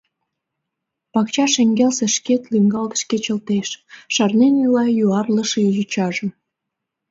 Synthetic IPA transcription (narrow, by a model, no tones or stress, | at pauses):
pɑkt͡ɕɑʃeŋɡelseʃket̪lyŋɡɑlt̪ə̥ʃket͡ɕə̆lt̪eʃːɑrnenylɑjuɑrləʃjut͡ɕɑʒə̆m